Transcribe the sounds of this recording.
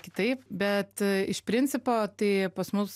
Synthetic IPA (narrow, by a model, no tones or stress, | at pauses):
kʲɪt̪ɐɪpbʲɛt̪ɪʃpʲɾʲɪnʲt͡s̪ʲɪpoːt̪ɐɪpɐsmʊs